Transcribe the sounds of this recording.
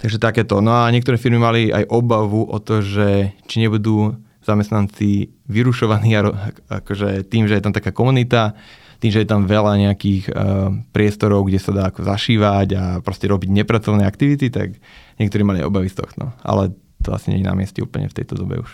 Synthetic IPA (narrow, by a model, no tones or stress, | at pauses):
t̪aɡʒɛt̪akɛːt̪ɔnɔaɲɛɛk̚t̪ɔɾɛːfiɾmimalia̰jʔɔbaʋuʔɔt̪ɔʒɛt͡ʃiɲɛbud̪uː | z̥amɛst̪nant͡si | ʋiɾuʃɔʋaniːaɾɔaa̰kɔʒɛt̪iːmʒɛjɛt̪amt̪akaːkɔmunit̪a | t̪iːmʒɛjɛt̪amʋɛlaɲɛakiːxpɾɪɛst̪ɔɾɔʊɡɟɛsad̪aːakɔzaʃiːʋaɟapɾɔscɛɾɔbiɟɲɛpɾat͡sɔʋnɛːakt̪iʋit̪it̪a̰k | ɲɛkt̪ɔɾiːmalia̰ʔɔ̰baʋist̪ɔ̰xt̪ɔ̰a̰lɛ | t̪ɔ̰a̰siɲɛ̰ɲina̰mɪɛscɛ̰ṵːpl̩ɲɛ̰ft̪ɛ̰jt̪ɔd̪ɔbɛ̰uʃ